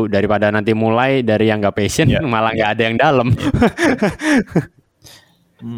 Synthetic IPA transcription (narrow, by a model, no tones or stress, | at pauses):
daɾipadanant̪imulajdaɾijaŋɡapesiənmalaŋɡaːdajaŋdaləm